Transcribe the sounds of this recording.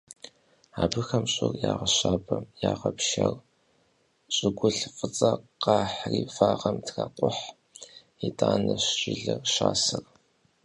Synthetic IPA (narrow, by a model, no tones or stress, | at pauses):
aːbɨxɐmɕʼɪrjaːʁɐɕaːbɐmjaːʁɐpʃɐr | ɕʼɪɡʷʊɬfʼɨt͡sʼɐqɑːħriːfaːʁɐmtʰraqʷʼʊħ | itʰʼaːnɨɕʒɪɮɨrʃaːsɨr